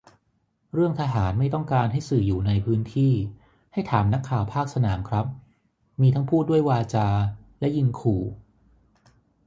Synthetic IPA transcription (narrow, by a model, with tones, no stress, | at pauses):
ɾɯ˥˩əŋt̪ʰaː˧ɦaː˩˦nma˥˩jt̪ɔ˥˩ŋkaː˧nɦa˥˩jsɯː˨˩juː˨˩na˧jpʰɯː˦˥nt̪ʰiː˥˩ | ha˥˩jt̪ʰaː˩˦mna˦˥kʰːaː˨˩wpʰaː˥˩k̚sa˧naː˩˦mkʰɾa˦˥p̚ | miː˧t̪ʰa˦˥ŋpʰuː˥˩du˥˩əjwaː˧t͡ɕaː˧lɛ˦˥ji˧nkʰuː˨˩